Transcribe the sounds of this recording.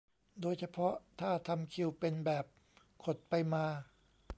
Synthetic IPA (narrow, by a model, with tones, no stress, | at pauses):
doː˧jt͡ɕʰa˧pʰɔ˦˥t̪ʰaː˥˩t̪ʰa˧mkʰi˧wpe˧nbɛː˨˩p̚ | kʰo˨˩t̪̚pa˧jmaː˧